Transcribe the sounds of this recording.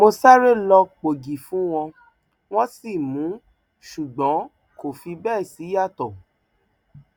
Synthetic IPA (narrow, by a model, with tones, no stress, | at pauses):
mo˧sa˦ɾe˦˨lɔ˧k͡po˨ɡi˨fũ˨˦w̃ɔ̃˧ | w̃ɔ̃˦si˦˨mũ˨˦ | ʃu˨ɡ͡bɔ̃˨˦ | ko˦˨fi˧bɛː˦˨si˨˦ja˦˨tɔ˨